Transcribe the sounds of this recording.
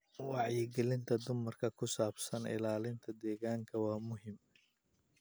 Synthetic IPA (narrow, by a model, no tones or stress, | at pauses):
wɑʕjɪɡɛlɪnt̪ʰɐd̪ʊmɐrkʰɐkʰʊsaːbsɐnɪ̰laːlɪnt̪ʰɐd̪ɛːɣaːŋkʰɐwɑːmʊɦɪm